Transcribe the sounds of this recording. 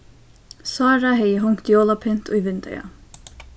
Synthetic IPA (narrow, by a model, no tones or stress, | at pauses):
saːɾaɦɛjəɦʊŋkt̪joːlˠapʰɪn̥t̪ujvɪnt̪ɛ̰ja̰